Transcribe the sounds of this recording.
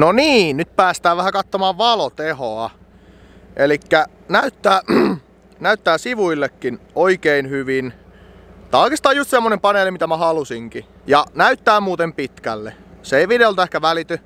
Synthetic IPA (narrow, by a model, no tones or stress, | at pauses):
noniːnnyt̪̚pæːst̪æːʋʋæhækɑt̪ːomɑːʋʋɑlot̪ehoɑ | ʔelikːæ | næyt̪ːæː | næyt̪ːæːsiʋuilːekːin | oikeinhyʋin | t̪ɑlkist̪ɑːjjust̪semːonempɑneːlimit̪æmæhɑlusiŋki | jɑnæyt̪ːæːmuːt̪empit̪kælːḛseeiʋideolt̪ehkæʋælit̪y